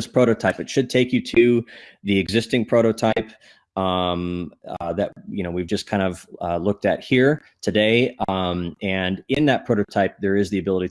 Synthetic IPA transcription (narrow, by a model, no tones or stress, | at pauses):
ɪspʰɹ̥oʊɾoʊtʰaɪpɨtʃɨd̚tʰeɪkjɨɾʰʉðiɨɡzɪstɪ̃ŋpʰɹ̥oʊɾoʊtʰaɪp | ʌ̃mðɨt̚jɨñoʊwivd͡ʒʌskʰãɪ̃ndʌvlʊk̚tɨt̚hiɹ | tʰɨdeɪ̃mɨ̃nɪ̃nðɨt̚pʰɹ̥oʊɾoʊtʰaɪp̚ðə˞ɨzðiɨbɪlˠəɾi